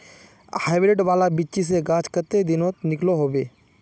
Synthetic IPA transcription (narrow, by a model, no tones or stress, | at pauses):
haːɪʋɾeɖʋaːlabit͡ʃis̬eɡaːt͡ʃkət̪ed̪ɪnoːt̪nɪkloɦoːbeː